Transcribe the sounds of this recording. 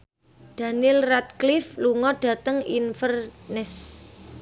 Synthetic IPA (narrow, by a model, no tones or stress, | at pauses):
d̪̥a̤nɪlrat̪̚klifluŋɔɖ̥ä̤t̪əŋinfərnɪs